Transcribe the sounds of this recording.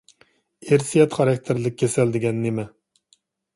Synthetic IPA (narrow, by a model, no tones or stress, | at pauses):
eɾsijɛt̪χɑɾɑkʲt̪ʰɪɾlɪk̚ʲʰːesɛld̪ɪɡʲɛnːemɛ